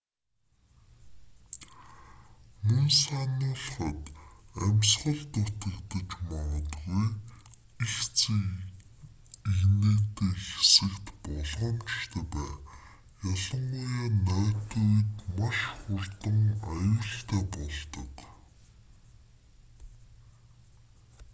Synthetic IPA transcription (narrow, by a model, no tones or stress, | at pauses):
mɵnsanʊːɮχə̆t̪æmʲsχə̆ɮt̪ʊt̪ə̆kt̪ə̆t͡ɕmɔʁə̆t̪ɡuj | ixt͡s | iɣneːt̪eːxe̥sɘ̆kt̪pɔɮʁɞ̆mt͡ɕʃt̪ʰeːpæː | jɔɮə̆ɴʊjaːnœːt̪uujt̪maʃχʊrt̪ə̆ŋajʊːɬt̪ʰæːpɔɮt̪ɞ̰̆k